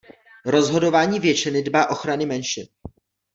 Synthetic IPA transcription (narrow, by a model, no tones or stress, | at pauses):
ɾo̞zɦo̞do̞vaːɲiːvjɛt͡ʃɪnɪdbaːʔo̞xɾanɪmɛnʃɪn